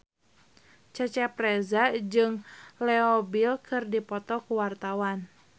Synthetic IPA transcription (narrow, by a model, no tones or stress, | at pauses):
t͡ʃət͡ʃɛprɛzad͡ʒɨŋlɛɔbilkʰɨrdipɔt̪ɔkuwart̪awan